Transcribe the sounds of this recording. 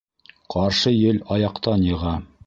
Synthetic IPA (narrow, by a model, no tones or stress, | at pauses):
qʰɑɾʃɤjɘlɑjɑqt̪ɑnjɤ̆ʁɑ